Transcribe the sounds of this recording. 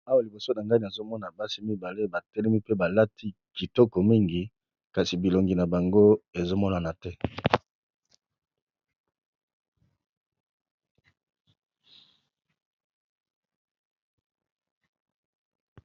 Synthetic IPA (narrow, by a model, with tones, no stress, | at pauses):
a˦wa˨li˨bo˨so˦na˨ŋɡa˦ni˨a˨zo˦mɔ˦na˨ba˦si˦mi˦ba˨le˦ba˨tɛ˦lɛ˦mi˦pe˦ba˨la˦tʰi˦ki˨tɔ˦kɔ˨mi˦ŋɡi˨ | ka˨si˨bi˨lo˨ŋɡi˨na˨ba˨ŋɡo˦e˨zo˦mɔ˦na˨na˨tɛ˦